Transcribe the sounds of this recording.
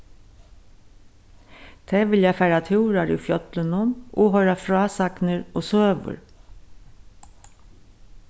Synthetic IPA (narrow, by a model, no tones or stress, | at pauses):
t̪ʰeːʋɪljafæːɾat̪ʰuːɾaɾiːfjœt̪lənʊmoːɦœʏɾafɾɑːsaknəɹoːsøːʋʊ̰ɹ